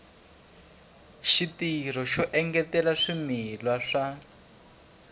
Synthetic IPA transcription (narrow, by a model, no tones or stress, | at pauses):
ʃitir̤ɔʃɔʔɛŋɡɛtɛlaʂimilwaʂa